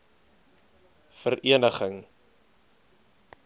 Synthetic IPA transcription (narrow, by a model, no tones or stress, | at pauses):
fəɾʔiənəχəŋ